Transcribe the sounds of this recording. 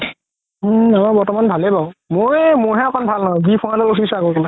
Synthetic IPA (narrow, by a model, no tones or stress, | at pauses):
m̩amaɹbɔɹtɔmanbʱalɛbaʊ̃mojmʊɹɦɛapanbʱalnaɦɔ̃ɡipʰɔnadɔlusʰisaɡɔkɔla